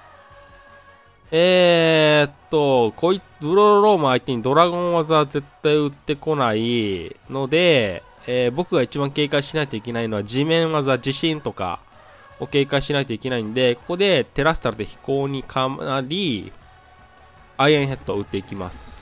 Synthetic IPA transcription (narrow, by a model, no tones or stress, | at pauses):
eː | t̪ːo̞ko̞ːi | bɯ̟ɾod̪oɾo̞ːmɯ̟ait̪e̞ɲ̟id̪o̞ɾaɡõ̞ɰ̃βazaze̞t̪ːaiɯ̟t̪ːe̞ko̞naino̞d̪e̞ː | bo̞kɯ̟ɡait͡ɕibãŋke̞ːkaiɕinait̪o̞ike̞naino̞βad͡ʑimẽ̞ɰ̃βazad͡ʑiɕĩnt̪o̞ka̰ | o̞ke̞ːkaiɕinait̪oike̞naĩnod̪e̞ko̞̥ko̞d̪e̞t̪e̞ɾasɨ̥t̪aɾɯ̟t̪e̞çi̥ko̞ːɲ̟ikʰaaɾʲi | aiãɰ̃ɦet̪ːoɯ̟t̪ːeikʲima̰sɨ̥